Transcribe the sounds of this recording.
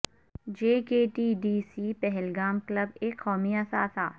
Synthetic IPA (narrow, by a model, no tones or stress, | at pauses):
d͡ʒeːkeːʈiːɖiːsiːpɛɦɛlɡaːmkləbeːkːɔːmiasaːsʰaː